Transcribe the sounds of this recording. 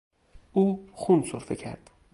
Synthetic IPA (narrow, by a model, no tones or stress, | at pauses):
uːxunsoɾfecʰæ̰ɾd̪̥